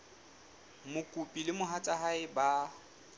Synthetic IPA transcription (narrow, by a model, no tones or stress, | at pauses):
mʊkʼupʼilɪmʊɦat͡sʼaɦaɪba